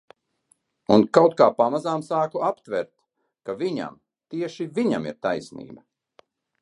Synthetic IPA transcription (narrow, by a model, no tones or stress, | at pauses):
unkawt̪kaːpamazaːmsaːkuapt̪vɛɾt̪ | kaviɲa̰m | t̪iɛʃiviɲamḭɾt̪ajsnḭːbɐ